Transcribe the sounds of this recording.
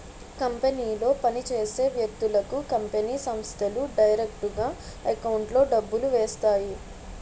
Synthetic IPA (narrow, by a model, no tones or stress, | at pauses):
kɐmpeniːlo̞ːpɐnit͡ʃe̞ːse̞ːʋjɐk̚t̪ulɐkukɐmpeniːsɐmst̪ʰɐluɖɐjɾek̚ʈuɡaː | ɐkɐwɳʈlo̞ːɖɐbːuluʋeːst̪aːji